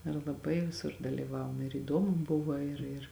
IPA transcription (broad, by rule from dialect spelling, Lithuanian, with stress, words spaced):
ɪr lˠɐˈbɐɪ ʋʲɪˈsʊr dɐlʲiːˈʋɑːʋoːm ɪr iːˈdoːmʊ ˈbʊʋɐ ɪr ɪr